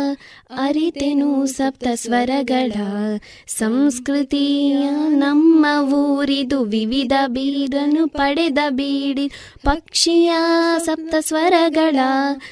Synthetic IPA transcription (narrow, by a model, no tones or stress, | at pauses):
ɐɾit̪enusɐp̚t̪ɐsʋɐɾɐɡɐɭɐ | sɐmskɾit̪ijɐnɐmːɐʋuːɾid̪uʋiʋid̪ʱɐbid̪ʱɐnupɐɽɛd̪ɐbiɽid̪ | pɐkʂijɐsɐp̚t̪ɐsʋɐɾɐɡɐɭɐ